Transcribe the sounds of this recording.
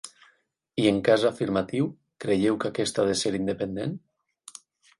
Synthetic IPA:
ieŋkazafiɾmat̪iw | kɾeʎewkakest̪aðeseɾind̪epend̪en

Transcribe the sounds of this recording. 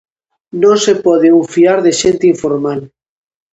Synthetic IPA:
nõnsepɔð̞eũɱfiaɾðeʃẽnt̪eiɱfoɾmal

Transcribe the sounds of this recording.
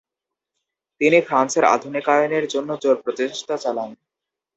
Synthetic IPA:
t̪inifɾanseɾa̰d̪ʱunikajoneɾd͡ʑonːod͡ʑoɾpɾot̪eʃt̪at͡ɕalan

